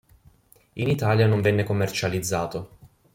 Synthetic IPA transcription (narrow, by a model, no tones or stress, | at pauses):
init̪aːljanõɱvɛnːekomːert͡ʃalid̪zːaːt̪o